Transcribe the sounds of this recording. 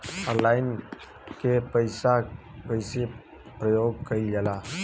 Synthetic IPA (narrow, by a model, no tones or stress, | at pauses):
əlaːɪn | kepəɪsa | pəɪse | pɾəjoːɡ̚kəid͡ʒəla